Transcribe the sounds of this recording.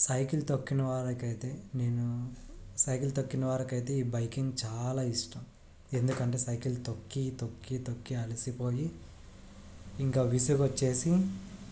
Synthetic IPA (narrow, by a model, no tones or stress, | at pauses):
sɐjkilt̪okːinɐʋaːɾɐkɐjt̪e̞ːne̞ːnu | sɐjkilt̪okːinɐʋaːɾɐkɐjt̪e̞ːiːbɐjkiŋɡt͡ʃaːlaːiʂʈɐm | e̞nd̪ukɐɳʈe̞ːsɐjkilt̪okːit̪okːit̪okːiɐlɐsipo̞ːji | ŋkaːʋisuɡot͡ʃːe̞ːsi